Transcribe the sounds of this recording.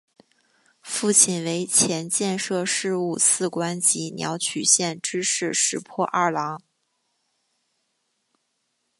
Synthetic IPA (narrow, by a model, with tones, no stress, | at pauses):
fu˥˩t͡ɕʰi˥˩nwe˧˥ɪt͡ɕʰjɛ˧˥nt͡ɕjɛ˥˧nʂɤ˥˧ʂɻ̩˥˧u˥˧sʰɹ̩˥˩kwa˥nt͡ɕi˧˥njɑ̰˧˥ʊt͡ɕʰy˨˩ɕjɛ˥˩nʈ͡ʂɻ̩˥ʂɻ̩˥˩ʂɻ̩˨˩pʰwɔ˥˧ʔa˥˩lɑ˧˥ŋ